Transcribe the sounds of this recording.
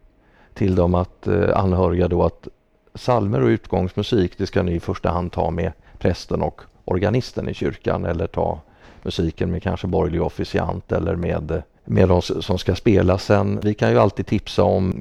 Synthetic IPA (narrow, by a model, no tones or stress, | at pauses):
t̪ʰɪld̪ɔmat̪a̰nːhœːɾɪɡad̪oat̪ | salməɾɔʉ̟ːt̪ɡɔŋsmɵsiːkd̪ɛskanɪɪfœʂʈaɦand̪̚t̪ʰɑ̰ːme | pʰɾɛst̪ənɔk | ʔɔɾɡanɪst̪ənɪ̰ɕʏɾka̰nɛlːəʈʰɑː | mɵsiːkənmɛkʰa̰nʂəbɔjlɪɡɔfɪsɪa̰nt̪ɛlːəɾmeːd̪ | med̪ɔmsɔmskaspeːlasɛnːvɪkʰanjɵalt̪ʰiːd̪t̪ʰɪpsaɔm